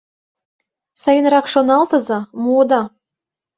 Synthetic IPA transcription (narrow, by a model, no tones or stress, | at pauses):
sɑjə̆nrɑkʃonɑlˠt̪ɤ̆zɑmuod̪ɑ